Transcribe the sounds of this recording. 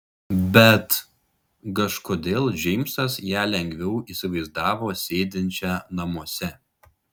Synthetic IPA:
bʲɛt̪ | kɐʃkoːd̪ʲeːlˠʒʲɛɪmsɐsjæːlʲɛŋʲɡʲʋʲɛʊisʲɪʋɐɪzd̪ɑːʋoːsʲeːd̪ʲɪnʲt͡ʃʲɛːnɐmuɔsʲɛ

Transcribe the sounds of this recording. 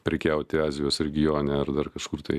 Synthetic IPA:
pʲɾʲɪkʲɛʊt̪ʲɪɑːzʲɪjoːsɾʲɛɡʲɪjoːnʲæɐɾd̪ɐrkɐʃkʊrt̪ɐɪ

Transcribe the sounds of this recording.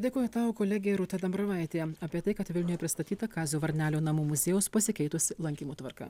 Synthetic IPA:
d̪ʲeːkoːjɛt̪ɑːʋoːkoːlʲæːɡʲɛjɛɾʊt̪ɐd̪ɐmbɾɐʋɐɪt̪ʲeːjɛɐːpʲiɛt̪ɐɪkɐt̪ʋʲɪlʲnʲʊjɛpʲɾʲɪst̪ɐt̪ʲiːt̪ɐkɑːzʲuːʋɐɾʲnʲæːlʲoːnɐmuːmʊzʲeːjɛːspɐsʲɪkʲɛɪt̪ʊsʲɪlˠɐŋʲkʲiːmuːt̪ʋɐɾkɑ̰ː

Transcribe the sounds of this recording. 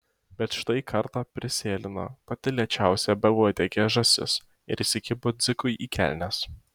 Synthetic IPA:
bʲɛt̪ʃt̪ɐɪkʰɐɾt̪ɑːpʲɾʲɪsʲeːlʲɪno̰pɐt̪ʲɪlʲiɛt͡ʃʲæˑʊsʲɛbʲɛɡoːd̪ʲeːkʲeːʒɐsʲɪ̰s | ɪ̰ɾɪsʲɪkʲɪbʊd̪zʲɪkʊɪʔiːkʲæ̰ˑlʲnʲɛs

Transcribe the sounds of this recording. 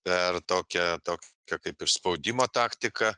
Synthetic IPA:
pʲɛrt̪oːkʲɛt̪oːkʲkʲɛkɐɪpɪrspɐʊd̪ʲɪmoːt̪ɑːkt̪ʲɪkɐ

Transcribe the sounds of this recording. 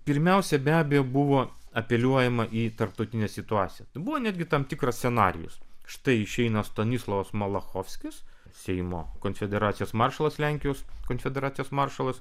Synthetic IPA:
pʲɪɾʲmʲɛʊsʲɛbʲæːbʲɛjoːbuʋoːɐpʲɛlʲuɔjɛmɐʔiːt̪ɐɾp̚t̪ɐʊt̪ʲɪnʲɛsʲɪt̪ʊɑːt̪sʲɪjɛt̪ɐɪbuʋoːnʲæːd̪ʲɡʲɪt̪ɐmt̪ʲɪkɾɐst̪ʲsʲɛnɑ̰ːɾʲɪ̰jʊ̰sʃt̪ɐɪɪʃʲɛɪnɐst̪ɐnʲislˠɐʋɐsmɐlˠɐxoːfʲsʲkʲɪs | sʲɛɪmo̰ːkoːnʲfʲɛd̪ʲɛɾɑːt̪sʲɪjoːsmɑrʃɐlˠɐslʲæŋʲkʲɪjoːskoːnʲfʲɛd̪ʲɛɾɑːt̪ʲɪjoːsmɑrʃɐlˠɐs

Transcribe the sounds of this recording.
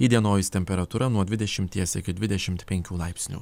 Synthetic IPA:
iːd̪ʲiɛnoːjɪsʲt̪ʲɛmʲpʲɛɾɐt̪uɾɐnuɔd̪ʲʋʲɪd̪ʲɛʃʲɪmʲt̪ʲiɛsʲɪkʲɪd̪ʲʋʲɪd̪ʲɛʃʲɪmt̪pʲɛŋʲkʲuːlˠɑɪpʲsʲnʲṵ

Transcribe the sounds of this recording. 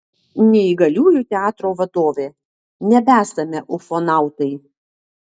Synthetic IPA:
nʲɛɪɡɐlʲuːjʊt̪ʲɛɑːt̪ɾoːʋɐt̪oːʋʲeː | nʲɛbʲæːsɐmʲɛʔʊfɔnɑˑʊt̪ɐɪ

